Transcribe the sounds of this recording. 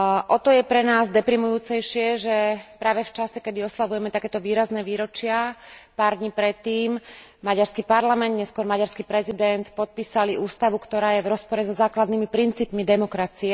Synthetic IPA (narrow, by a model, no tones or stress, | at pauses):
ʔɔt̪ɔjɛpɾɛnaːzd̪ɛpɾimujuːt͡sɛjʃɪɛʒɛpɾaːʋɛft͡ʃasɛkɛd̪iɔslaʋujɛmɛt̪akɛːt̪ɔʋiːɾaznɛːʋiːɾɔt͡ʃɪapaːɾd̪ɲiːpɾɛt̪ːiːmmaɟaɾskipaɾlamɛnd̪ɲɛskʊɔɾmaɟaɾskipɾɛzid̪ɛnt̪pɔt̪̚piːsaliʔuːst̪aʋukt̪ɔɾaːjɛʋɾɔspɔɾɛzɔzaːklad̪nimipɾint͡siːpmid̪ɛmɔkɾat͡siɛ